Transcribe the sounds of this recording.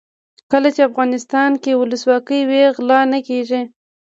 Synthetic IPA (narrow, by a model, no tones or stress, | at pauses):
kəlat͡ʃeafɣɑnɪst̪ɑnkewʊləswɑkəjweɣlɑnakeʒi